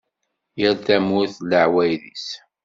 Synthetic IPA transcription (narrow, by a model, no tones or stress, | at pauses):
jəɾθæmʊɾθləʕwæjðis